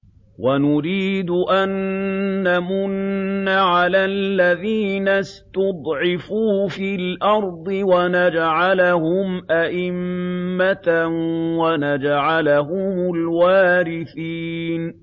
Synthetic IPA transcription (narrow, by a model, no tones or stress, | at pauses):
wanʊɾiːd̪ʊʔanː | amʊnːaʕalaːlːaðiːnast̪ʊd̪ˤʕɪfuːfilʔɑɾˤd̪ˤɨwanad͡ʒʕalahʊmʔaʔɪmːat̪wanad͡ʒʕalaɦʊmʊlwaːɾɪθiːn